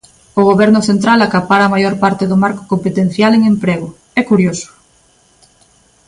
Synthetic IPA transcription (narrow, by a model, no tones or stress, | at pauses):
ʊɣ̞oβɛɾnʊθent̪ɾalakapaɾaːmajoɾpaɾt̪eðʊmaɾko̥kompet̪en̟θjaleŋempɾeɣ̞ʊ | ɛkuɾjosʊ̥